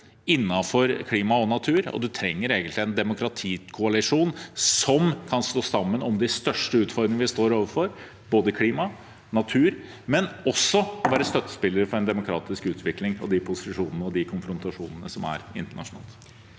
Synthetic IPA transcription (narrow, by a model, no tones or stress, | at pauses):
ɪnːɑfɔɾkʰliːmɑɔnɑt̪ʰʉːɾɔ̰d̪ʉt̪ʰɾɛŋːəɾeːɡənt̪lɪɛnd̪ɛmʊkʰɾɑt̪ʰiːkʰʊɑlɪʂuːnsɔmkʰɑnst̪oːsɑmːənɔmd̪ɪst̪œʂʈəʉːt̪fɔɾd̪ɾɪŋəʋɪst̪oːɾoːʋəɾfɔɾ | b̥oːd̪əkʰliːmɑ | nɑt̪ʰʉːɾ | mɛnɔsːɔʋæːɾəst̪œt̪ːə̥spɪlːəɾfɔɾɛnd̪ɛmʊkʰɾɑ̰ːt̪ɪskʉːt̪ʰʋɪklɪŋɔ̰d̪ɪpʰʊsɪʂuːnənəɔd̪ɪkʰʊnfɾʊnt̪ɑʂuːnənəsɔmæ̰ɾɪ̰nt̪əɳɑ̰ʂʊnɑ̰ːlˠt̪